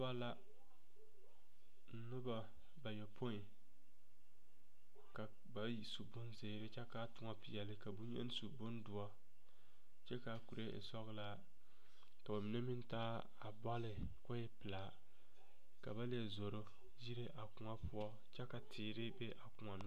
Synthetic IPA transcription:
ba˦la˦ | n̩˦nɨ˦ba˦ | ba˨jɛ˨pʰo˦i˨ | ka˨ | ba˨ji˨su˨bʊ˦nze˨˦ɾɪ˦t͡ʃɛ˦ka˦tʊ˨ŋa˦pi˨jɛ˨lɪ˦ka˨bu˦ɲɛ̰˦n˦su˨bʊ˦ndʊ˨a˦ | t͡ʃɛ˦ka˨ku˨ɾe˦ʔḛ˨sɔ˦ɣɨ˦la˦ | ka˨ba˨mi˨nɛ˦mɪ˦ntaː˦ | a˨ba˦lɨ˨ | kʊ˦ɪ˦pɨ˨laː˨ | ka˨ba˦le˦˨zo˨ɾo˦ | ji˦ɾe˦ʔa˨kʊ˨ŋa˦pʊ˦ɔ˦ | t͡ʃɛ˦ka˨tʰɪː˨ɾɪ˦bɛ˦ʔa˨kʊ˨ŋa˨nɨ˦

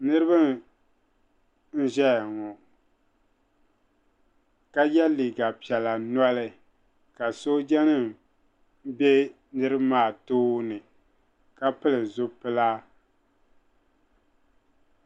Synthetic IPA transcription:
nɨ˦ɾɨ˦bɨ˦˨ | n̩˦ʒɛ˦jŋɔ˨ | ka˦jɛ˦li˨ɡa˨pi˨ɛ˨la˨na˦lɨ˦ | ka˨so˦d͡ʒɛ˦nɨ˦ | be˦ | nɨ˦ɾɨ˦bmaː˦˨toː˦nɨ˨ | ka˦pɨ˦lɨ˨zʊ˦pɨ˦la˦

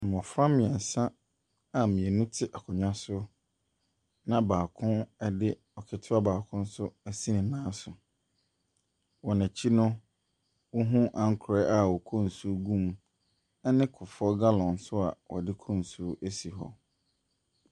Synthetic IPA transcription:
m˨ɔ̃˨fɾã˦mɪ̃˨ɛ˨n̩˨sã˦ | a˨mĩ˨e˨nũ˦tʰɪ˦ʔa˨kʰʊ˨ɲᶣã˦sʊ˦ | nã˦˨baː˨kʰʊ̃˦nɛ˦dɪ˦ | ɔ˨kʰɪ˨tʰɪ˦a˦baː˨kʰʊ̃˦n̩˦sʊ˦æ˦si˦nɪ̃˨nãː˦sʊ˨ | wɔ˨næ̃˨t͡ɕʰi˦nʊ̃˦ | wʊ˦ɦũ˦ʔã˦ŋ˦kʰʊ˨ɾɛ˦ʔa˨wɔ˨kʰɔ̃˦˨n̩˨su˦ɡũ˦˨m | ɛ˦nɪ̃˦kʰʊ˨fɔ˦ɡa˦lɔ̃˨n˨˦sʊ˦a̰˨wɔ̰˨dɪ˦kʰɔ̃˦˨n˨su˦ʔæ˦si˨ɦɔ̰˨

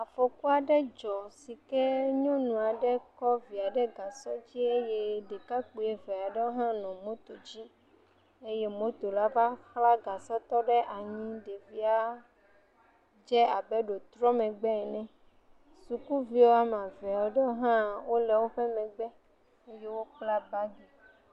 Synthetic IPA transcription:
a˨fɔ˨ku˦a˨ɖɛ˦d͡ʒɔ˨si˨kɛ˦ɲõ˦nũ˨a˨ɖɛ˦kɔ˦vi˨a˨ɖɛ˦ɡa˨sɔ˦d͡ʑi˦e˦je˦ɖe˨ka˦k͡po˨e˨vɛ˨a˨ɖɛ˦wo˦ɦã˦nɔ̃˨mõ˦t̪o˨d͡ʑi˦ | e˦je˦mõ˦t̪o˨la˦va˦xla˦ɡa˨sɔ˦t̪ɔ˦ɖɛ˦ʔa˨ɲĩ˦ɖe˨vi˦a˦ | d͡ʒɛ˦a˨bɛ˦ɖo˨t̪ɾɔ˦mɛ̃˨ɡ͡bɛ˦˨nɛ̃˦ | su˨ku˦vi˦wo˦a˦mã˨vɛ˨a˨wo˦ɖɛ˦wo˦ɦã˦wo˦lɛ˨wo˦ɸɛ˦mɛ̃˨ɡ͡bɛ˦ | e˦je˦wo˦k͡pla˦ba˦ɡe˨

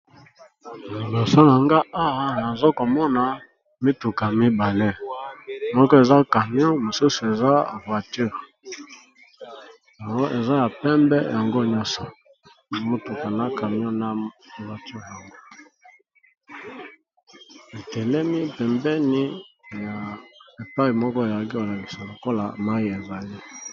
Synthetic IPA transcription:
mo˨lo˨so˦na˨ŋɡa˦ʔa˦wa˦na˨zo˦ko˨mɔ˦na˨ | mi˦tu˨ka˨mi˦ba˨le˦ | mɔ˦kɔ˦e˨za˦ka˨mi˦o˦mo˨su˦su˨e˨za˦˨vwa˨ty˦˨ʁ | ja˨ŋɡo˦ʔe˨za˦ja˨pɛ˦mbɛ˦ja˨ŋɡo˦ɲɔ̃˦nsɔ˨ | mo˦tu˨ka˨na˦ka˨mi˦ɔ̃˦na˦˨vwa˨ty˦ʁja˨ŋɡo˦ | e˨tɛ˨lɛ˦mi˦pɛ˨mbɛ˦ni˦ja˨e˨pa˦i˨mɔ˦kɔ˦e˨ja˨˦ki˦o˨la˨ki˨sa˨lo˨ko˦la̰˨ma˦i˦e˨za˨le˦

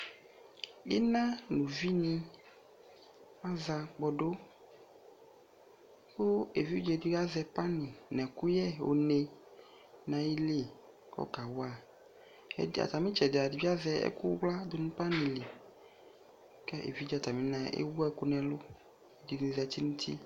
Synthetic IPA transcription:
ḭ˦nã˦nũ˨vi˦nĩ˦ | a˦za˧k͡pɔ˨ɖo˦ | ko˦e˨vi˦d͡ʒe˦di˦ɡa˦zɛ˨pa˦nĩ˨nɛ̃˨ku˦jɛ˦˨o̰˨ne˧ | nã˨ji˦le˦˨ | kɔ̰˦ka˨wa̰˦˨ | a̰˨t̪a˨mĩ˦t͡ʃɛ˨da˨di˨vi˦a˦zɛ˦ɛ̰˦ku˦wla˦d̪o˦nũ˦pa˦nĩ˨li˨ | kɛ˦ʔḛ˨vi˦d͡ʒɛ˨a˨t̪a˨mĩ˨˦nã˨ḛ˦wu˦ɛ˦ku˦nɛ̃˨lo˦ | e˨di˨ĩ˨zɛ˨t̪i˦nũ˦t̪ʰḭ˦

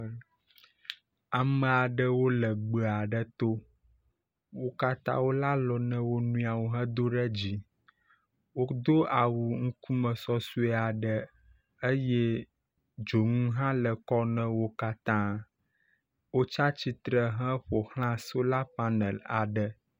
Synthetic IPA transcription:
a˨mə̃˨a˨ɖə˦wo˦lə˨ɡ͡bə˨a˨ɖə˨t̪o˦ | wo˦ka˦t̪ã̰˦wo˦la˦lɔ˨nɛ̃˦wo˦nũ˦a˨wo˨ɦə̃˦d̪o˦ɖə˦d͡ʑi˦ | wo˦d̪o˦a˨wu˨ŋu˦ku˦mə̃˨sɔ˦su˦ɛ˦a˨ɖə˨ | ə˦je˦ | d͡ʒo˨ŋũ˦ɦã˦lə˨kɔ˦nɛ̃˦wo˦ka˦t̪ã˦ | wo˦t͡ʃa˦t͡ɕi˦t̪ɾə˨ɦə̃˦ɸo˨hl̃ã˦so˦la˦pa˦nə˨la̰˨ɖə˨

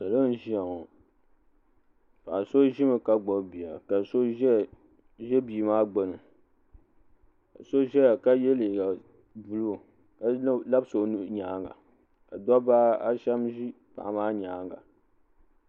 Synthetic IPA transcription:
sa˨lo˦n̩˦ʒi˦a˨ŋo˨ | pa˨ʔa˨so˦ʒi˦mɨ˨ka˦ɡ͡bɔ˨bi˨a˨ka˨so˦ʒɛ˦˨ | ʒɛ˦biː˨maː˦ɡ͡bo˨nɨ˨ | ka̰˨so˦ʒɛ˦ja˨ka˦jɛ˦le˨ɡa˨ | bu˨lu˦˨ | ka˨˦la˦bso˨˦n˦ɲaː˨˦ŋɡa̰˨ | ka˨dɔ˦baː˦a˦ʃa˦mʒi˦ | pa̰˨ʔa˨maː˦ɲaː˨˦ŋɡa̰˨

